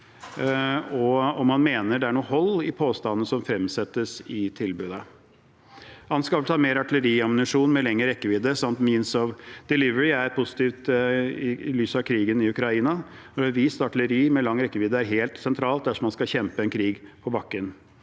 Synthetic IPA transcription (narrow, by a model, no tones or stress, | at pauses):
ɔɔmːɑnmeːnəɖɛæɳuːhɔlːɪpʰoːst̪ɑnːnəsɔmfɾɛmsɛt̪ːəsɪt̪ʰɪlbʉːd̪ə | hɑnskɑʋlt̪ʰɑːɾmeːɾɑʈɪləɾiːɑmnɪʂuːnmɛlɛŋːəɾɛkːəʋiːd̪əsɑmt̪miːnsɔʋd̪̥ɪlɪʋəɾɪæɾpʰʊsɪ̥t̪iːʋt̪ɪlyːsɑkʰɾiːɡənɪʉkɾɑiːnɑ | ɔd̪ɛʋiːst̪ɑʈɪləɾiːmɛlɑŋːɾɛkːəʋiːd̪əæɾɦeːlt̪sɛnt̪ʰɾɑːlt̪̚d̪æʂɔmɑnskɑçɛmpəɛnkʰɾiːɡpʰɔbɑkːən